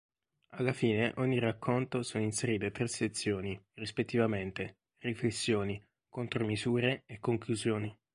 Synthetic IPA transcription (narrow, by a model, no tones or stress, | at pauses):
alːafiːneʔɔɲːirakʰːont̪osoːnoinseɾiːt̪et̪ɾesːet̪sːjoːnirispet̪ːivament̪e | riflesːjoːni | kont̪ɾomizuːɾeekːoŋkluzjoːni